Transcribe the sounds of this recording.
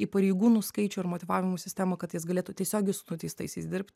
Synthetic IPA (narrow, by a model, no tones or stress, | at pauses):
iːpɐɾʲɛɪɡuːnuːskɐɪt͡ʃʲʊːɐɾmoːt̪ʲɪʋɑːʋʲɪmʊːsʲɪsʲt̪ʲæːmɐkɐt̪jɪsɡɐlʲeːt̪uːt̪ʲiɛsʲoːɡʲɛɪsʊnʊt̪ʲɛɪst̪ɐɪsʲɐɪsd̪ʲɪɾʲpʲt̪ʲ